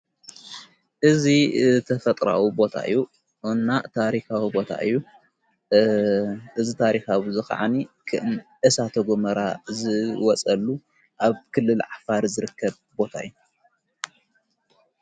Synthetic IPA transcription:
ʔɨzit̪ʰɐfɐt̪ʼɾa̰wibo̞t̪ʰa̰ʔɨ̰jːu | ʔɨnːat̪ʰaɾixawibo̞t̪ʰa̰ʔɨ̰jːu | ʔɨzit̪ʰaɾixawizɨxɐ̰ʕa̰nikʰɨʔɨnʔɨsat̪ʰɐɡomɐɾazɨwɔt͡sʼɐlːu | ʔaβkʰɨlːɨlʕafaɾzɨɾɨkːɐβ | bo̞t̪ʰa̰ʔɨjːu

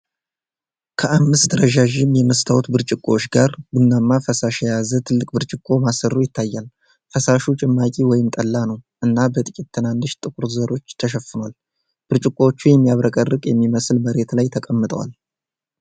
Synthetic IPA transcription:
kʰəamːɨst̪d̪əɾəʒaʒɪmːjɛməst̪ʰawut̪bɨɾt͡ʃʼɪkʼot͡ʃɡaɾɡunːamːafəsaʃɛjazət̪ʰɨlːɨk̚ʼbɨɾt͡ʃʼɪkʼːo̞masərujɪt̪ʰːajːal | fəsaʃut͡ʃʼɪmːakʲʼiwɔjɪmt̪ʼəlːanəwʔɨnːabət̪ʼɨkʲʼit̪ːʰɨnanːɨʃt̪ʼɨkʼuɾzəɾo̞t͡ʃːt̪ʰəʃ̬ɛfɨnwal | b̥ɨɾt͡ʃʼɪkʼːo̞t͡ʃːujɛmːijaβɾəkʼərːɨkʼjɛmːiməsɨlməɾe̞t̪lajt̪ʰəkʼəmːɨt̪ʼəwa̰l

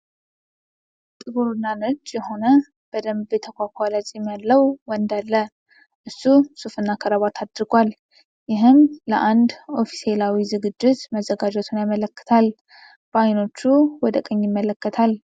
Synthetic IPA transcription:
t̪ʼɨɡuɾunːanɨd͡ʒʼjɛɦo̞nə | b̥əd̪əmbet̪ʰəkʷʰakʷʰʼalat͡ʃʼimalːəwwɔnd̪alːə | ʔɨsːusufɨnːakʰəɾəβat̪ʰad̪ɾɨɡʷal | jɪɦɨmləʔand̪o̞fi̥selawizɨɡɨd͡ʒːɪt̪məzəɡad͡ʒɛt̪ʰunajamələkːə̥t̪ʰal | b̥əajno̞t͡ʃːuwɔd̪əkʼəɲːjɪmːələkːət̪ʰal

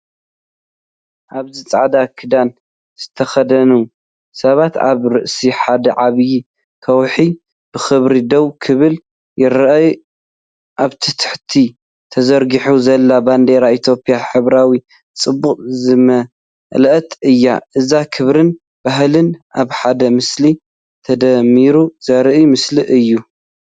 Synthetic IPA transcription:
ʔaβzɨt͡sʼaʕd̪akʰɨd̪an | z̥ɨt̪ʰɐxɐd̪ɐnu | sɐβat̪a̰βɾɨʔsiħad̪ɐʕaβji | kʰɐwħi | b̥ɨxɨβɾid̪owkʰɨβɨl | jɪɾʔɐj | ʔaβt̪ʰɨt̪ʰɨ̥ħt̪ʰi | t̪ʰɐzɐɾɡiħuzɐlːaband̪eɾait̪ʰjo̞pʼjaħɨβɾawi | t͡sʼɨbːuqʼzɨmɐ | lɐʔt̪ʼɨjːa̰ʔɨzakʰɨβɾɨn | b̥aɦlɨnʔaβħad̪ɐmɨsli | t̪ʰɐd̪ɐmiɾuzɐɾʔjmɨsliʔɨjːu

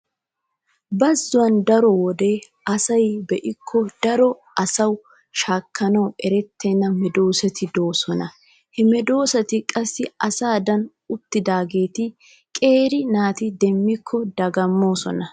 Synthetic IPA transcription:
bɐzːʊwɐnd̪ɐɾɔwɔd̪e̞ː | ɐsɐjbɛʔɪkʰːɔd̪̥ɐɾɔʔɐsɐw | ʃaːkːɐnɐwɛɾɛt̪ʰːɛnːɐmɛd̪o̞ːsɐt̪ɪd̪o̞ːsɔnɐ | hɛmɛd̪o̞ːsɐt̪ɪkʼɐsːɪʔɐsaːd̪ɐn | ʊt̪ːɪd̪aːɡe̞ːt̪ɪ | kʼe̞ːɾɪnaːt̪ɪd̪ɛmːɪkʰːɔd̪ɐɡɐmːo̞ːsɔ̰nɐ

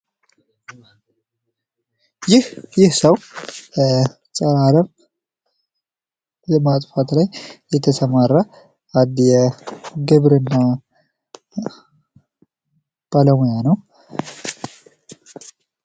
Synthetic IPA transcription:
jɪhjɪhsəw | sʼəɾaɾəm | mat̪ʼfat̪lajjɛt̪ʰəsəmaɾːa | ad̪jɛɡɨβɾɨnːa | b̥aləmojanəw

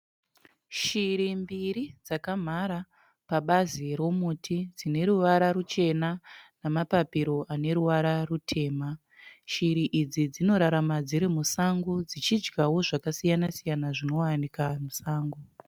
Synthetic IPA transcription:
ʃiɾimbiɾid͡zakam̤aɾa | paɓaziɾo̞mutʰid͡zine̞ɾuʋaɾaɾut͡ʃe̞nanamapapiɾo̞ʔane̞ɾuʋaɾarutʰe̞ːma | ʃiɾiʔid͡zid͡zino̞ɾaɾamad͡ziɾimusaŋɡud͡zit͡ʃid͡ʒɡawo̞ʐakasijanasijanaʐino̞wanikamusaːŋɡu

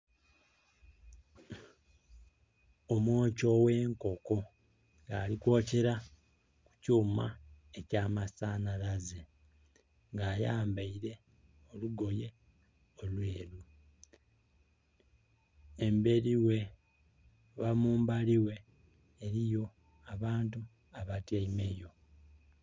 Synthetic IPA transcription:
omwo̞ːco̞we̞ːŋko̞ko̞ | ŋɡaːlikwo̞ːce̞ɾa | ku̥cuːma̰ | e̞caːmasaːnalaze | ŋɡaːjaːmbaiɾe̞ | o̞luɡo̞je̞ | olwe̞ːɾu | embe̞ɾiwe̞ | βamuːmbaliwe̞ː | ɾijo̞ | aβaːntu | aβatjaime̞jo̞

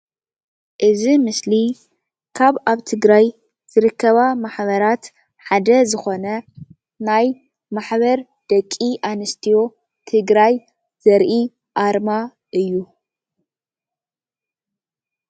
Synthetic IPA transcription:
ʔɨzimɨsli | kʰaβaβt̪ʰɨɡɾaj | z̥ɨɾɨkʰːɐβamaħβɐɾat̪ | ħad̪ɐzɨxo̞nɐ | naj | maħβɐɾ | d̪̥ɐkʼːiʔanɨst̪ʰijo̞ | t̪ʰɨɡɾaj | z̥ɐɾʔi | ʔaɾma | ʔɨjːu

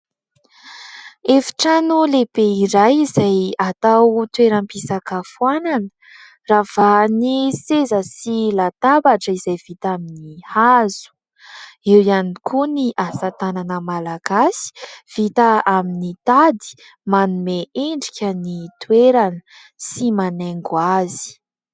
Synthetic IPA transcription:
efi̥ʈ͡ʂanulebeiɾajizajat̪awt̪weɾampisakəfuwananə̥ | rav̥anisezəsilat̪abaʈ͡ʂəizajv̥it̪aminihazu̥ | ewianikʰuniʔasət̪ananəmalaɡasi̥v̥it̪əaminit̪ad̪i̥ | manumeeɳɖ͡ʐikʲənit̪weɾanə | simaneŋɡwazi̥

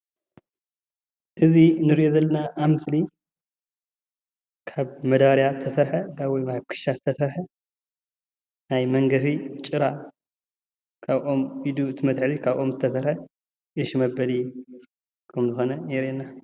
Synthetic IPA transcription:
ʔɨzinɨɾiʔozɐlːɐnaʔːmɨsli | kʰaβmɐd̪aɾjaɨt̪ʰɐsɐɾħɐɡaβwjmakʰɨ̥ʃaɐsɐɾħɐ | najmɐŋɡɐfit͡ʃʼɨɾa | kʰaβʔo̞mid̪uɨt̪ʰɨmɐt̪ħɨzikʰaβʔo̞mzɨt̪ʰɐsɐɾħɐ | ʔɨʃmɐbɐli | kʰɐmzɨxo̞nɐneɾenːa

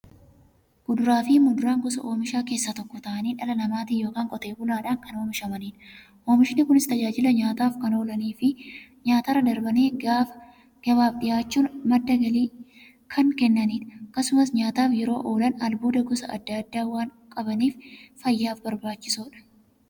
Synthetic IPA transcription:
ɡ̥ʊd̪ʊɾaːfiːmʊd̪ʊɾaːŋɡʊsɐ̰ʔo̞ːmɪʃaːke̞ːsːɐt̪ɔkːɔt̪ɐʔɐniːᶑɐlɐnɐmaːt̪ɪjoːkaːŋkʼɔt̪e̞ːbʊnaːᶑaːnkɐno̞ːmɪʃɐmɐniːᶑ | ʔoːmɪʃɪnɪkʊnɪst̪ɐd͡ʒaːd͡ʒɪlɐɲaːt̪aːfkɐno̞ːlɐniːfɪɲaːt̪ɐɾɐd̪ɐɾbɐneːf | ɡ̥ɐβaːfᶑɪjaːt͡ʃːuːnmɐd̪ːɐɡɐliː | kʰɐŋkɛnːɐniːᶑɐkːɐsʊmɐsɲaːt̪aːfjɛɾo̞ːʔo̞ːlɐnɐlbo̞ːd̪ɐɡʊsɐʔɐ̰d̪ːɐːd̪ːaːwaːŋ | kʼɐbɐniːffɐjːaːfbɐɾbaːt͡ʃːɪ̥suːᶑɐ̥

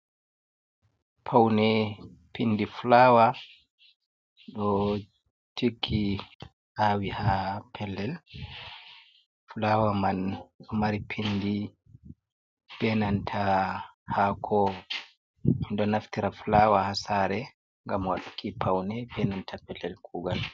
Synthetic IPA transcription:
pʰawnɛ | pindifulawa | ɗɔ | tʰikʰi | ʔawihapʰɛlːɛl | fulawamanmaɾipʰindi | b̥ɛnantʰahakʰɔ | minɗɔnaftiɾaflawahasaɾɛ | ŋɡamwaɗukʰipʰawnɛbɛnantʰapɛlːɛlkʰuːɡal

